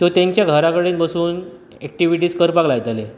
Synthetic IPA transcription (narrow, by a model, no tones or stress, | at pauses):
t̪ot̪ãɲt͡ɕjaɡʱəɾakəɽiːnbəsuːn | ɛk̚ʈiʋiʈ̬iːskəɾpaɡlajet̪ale